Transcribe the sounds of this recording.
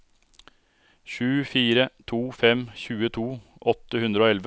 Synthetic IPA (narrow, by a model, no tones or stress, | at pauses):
çʉːfiːɾət̪ʰuːfɛmçʉːət̪ʰuː | ʔɔt̪əhʉnd̪ɾəoːɛlʋə